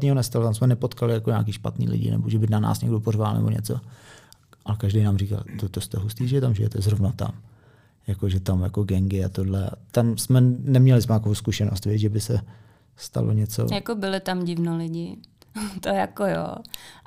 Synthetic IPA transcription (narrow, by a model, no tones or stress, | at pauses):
ɲiːɦonɛst̪alot̪amsmɛnɛpo̞t̪kalɪjakoɲa̰ːkiːʃpa̰t̪nḭːlɪ̰ɟɪ̰nʔɛ̰boʒɛbɪnana̰ːsɲɛɡdoporvalnɛ̰bo̞ɲɛ̰t͡so̰ | ʔalɛkaʒdejnaːmriːka̰lt̪ot̪ost̪ɛɦust̪iːʒɛt̪amʒɪjɛt̪ɛzɾovnat̪a̰m | jakoʒɛt̪amjako̞ɡɛŋɡɪat̪odlɛa̰t̪amsmɛnɛmɲɛlɪsmɛt̪akoowskuʃɛno̰st̪vɛt͡sʒɛbɪsɛ | st̪a̰lo̰ɲɛt͡so̰jakobɪlɪt̪amɟɪvnolɪɟɪ | t̪ojakojo̰ː